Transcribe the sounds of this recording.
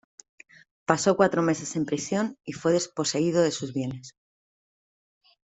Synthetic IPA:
paso̞kwat̪ɾo̞me̞se̞se̞mpɾisjo̞nifwe̞ðe̞spo̞se̞iðoðe̞suzβje̞ne̞s

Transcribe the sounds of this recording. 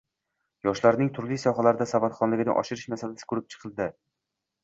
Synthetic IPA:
jɒʃlaɾnɪŋt̪ʰʊɾlijsɒχalaɾd̪asavat̪χɒnlɪɡʲɪnɪ̰ʔɒ̰ʃɪɾɪʃnasalasɪ̥kʰɵɾɪp̚t͡ʃʰɨ̥qʰɨlˠd̪ɪ

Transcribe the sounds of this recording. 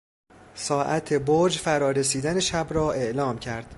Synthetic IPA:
sɒːʔæt̪ʰebod͡ʒfæɾɒːɾesiːd̪æne̞ʃæbɾɒːʔe̞ʔlɒːmcʰæɾd̪̥

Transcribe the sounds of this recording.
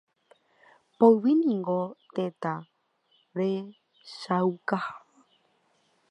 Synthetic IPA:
poɨwinĩŋɡot̪ẽt̪a | ɾe | ʃawkaha

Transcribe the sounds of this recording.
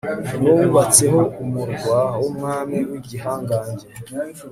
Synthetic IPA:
nuːvat͡se̞ɦo̞umuɾɡwawumŋaːmiwiɟiɦaːŋɡaːɲɟe

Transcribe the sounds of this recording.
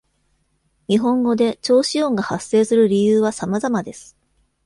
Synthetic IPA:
ɲ̟iɦõ̞ŋɡo̞d̪e̞t͡ɕo̞ːɕiõ̞ŋɡahasːe̞ːsɨɾɯ̟ɾʲijɯːβasamazamad̪e̞sɨ̥

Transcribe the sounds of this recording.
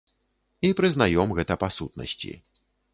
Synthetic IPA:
ipɾɨzn̪ajɔmɣɛt̪ɐpasut̪̚nɐ̰sʲt͡sʲḭ

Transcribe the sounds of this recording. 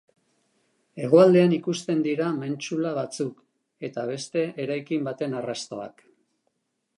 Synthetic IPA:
e̞ɣ̞oald̪e̞anikust̪e̞nd̪iɾame̞nt͡ʃulaβat͡suk | e̞t̪aβ̞e̞st̪e̞ʔeɾajkimbat̪e̞narast̪o̞̰a̰k

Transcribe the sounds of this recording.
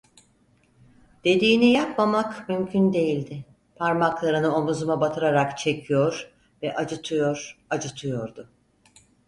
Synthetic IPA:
d̪̥e̞d̪iːnijap̚mamakmymcʰynd̪e̞jilʲd̪ɪ | pʰaɾmaklˠaɾɯnɯo̞muzumabat̪ʰɯɾaɾakt͡ʃʰe̞cʰijoɾ | vɛʔad͡ʒɯt̪ʰɯjoɾ̥ad͡ʒɯt̪ʰɯjoɾd̪ʊ

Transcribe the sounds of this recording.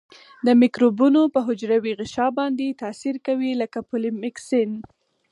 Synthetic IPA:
d̪əmikɾobunopəɦʊd͡ʒɾawiɣɪʃɑbɑnd̪et̪ɑsiɾkawiləkapʊlimɪksɪn

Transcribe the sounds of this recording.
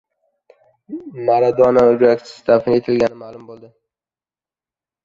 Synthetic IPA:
maɾad̪ɒnad͡ʒʊɾakʲt͡ʃʰɪ̥sɪd̪ʰafɪnet̪ʰɪlɡʲanɪmalˠʊmbolˠd̪ɪ

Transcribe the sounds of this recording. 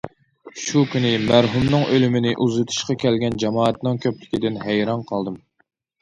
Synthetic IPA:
ʃukʲʰynɪmæɾɦumnɨŋʔølymɪnɪʔuzɨt̪ʰu̥ʃqɑkʲʰɛlɡʲɛnd͡ʒɑmɑːɛt̪nɨŋkʲʰøplɪkʲid̪ɪnɦæjɾɑnqʰɑlˠd̪ɨm

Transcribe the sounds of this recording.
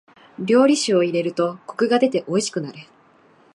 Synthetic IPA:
bʲjo̞ːɾʲiɕɨo̞iɾe̞ɾɯ̟t̪o̞ko̞̥kɯ̟ɡad̪e̞t̪e̞ʔo̞iɕi̥kɯ̟naɾɯ̟

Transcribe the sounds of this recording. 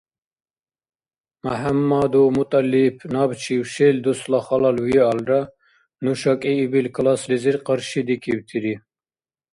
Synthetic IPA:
maɦamːad̪umut̪ʼalːipʰnɑbt͡ʃʰiwʃeld̪uslaχɑlɑlwiɑlɾa | nuʃɑkʼiːbilkʰlɑsliziɾqəɾʃid̪ikʰibt̪ʰiɾi

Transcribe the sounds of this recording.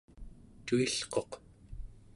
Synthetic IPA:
t̪uiɬqo̞q

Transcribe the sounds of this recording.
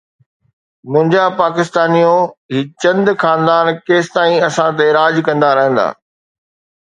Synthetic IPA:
mʊ̃ɦɪ̃ɲd͡ʑapaːkɪst̪aːnijõɦit͡ɕɐ̃nd̪xaːnd̪aːnkeːst̪aːĩɐsãt̪̬eɾaːd͡ʑkɐ̃nd̪aɾɐɦə̃n̆d̪a̰ː

